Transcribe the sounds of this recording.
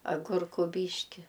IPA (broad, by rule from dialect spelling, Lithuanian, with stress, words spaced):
ɐˈɡʊrkʊ ˈbʲiːʃʲkʲɪ